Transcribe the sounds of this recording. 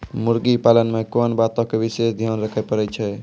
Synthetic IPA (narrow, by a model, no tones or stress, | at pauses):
muɾɡipalənmekonbat̪õkebisesd̪ʱjɔnɾəkʰɛpəɾɛt͡ʃʰɛ